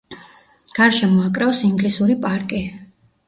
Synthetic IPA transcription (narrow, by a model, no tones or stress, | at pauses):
ɡ̥aɾʃɛmɔakʼɾɛɔsiŋɡlisuɾipʼaɾkʼi